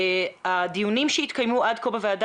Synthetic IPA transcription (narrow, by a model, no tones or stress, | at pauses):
ad̪ijunimʃeit̪kajmuʔad̪̚kobavead